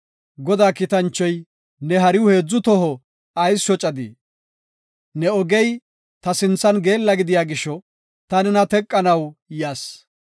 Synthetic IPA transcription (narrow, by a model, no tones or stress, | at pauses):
ɡɔd̪aːkɪt̪ɐnt͡ʃːɔj | nɛɦɐɾɪwʊhe̞ːd͡zːʊt̪ɔɦɔ | ɐjsʃɔt͡ʃʼɐd̪ḭ | nɛɔɡɛj | t̪ɐsɪnt͡sːɐnɡe̞ːlːɐɡɪd̪ɪjaːɡɪʃɔ | t̪ɐnɛnɐt̪ɛkʼːɐnɐwjaːs